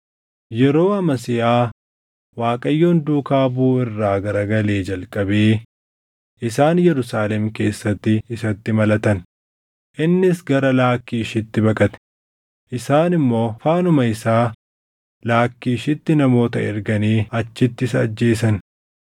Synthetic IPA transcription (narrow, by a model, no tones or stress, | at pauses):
jɛɾo̞ːɐmɐsɪʔaː | waːkʼɐjːo̞ːnd̪uːkaːbuːɪrːaːɡɐɾɐɡɐle̞ːd͡ʒɐlkʼɐbeː | ʔɪsaːnjɛɾʊsaːlɛmke̞ːsːɐt̪ːɪːsɐt̪ːɪmɐlɐt̪ɐn | ʔɪnːɪsɡɐɾɐlaːkːiːʃɪt̪ːɪbɐkʼɐt̪ɛ̥ | ʔɪsaːnɪmːo̞ːfaːnʊmɐɪsaː | laːkːiːʃɪt̪ːɪnɐmo̞ːt̪ɐɛ̰ɾɡɐniːɐt͡ʃːɪt̪ːɪsɐd͡ʒːe̞ːsɐn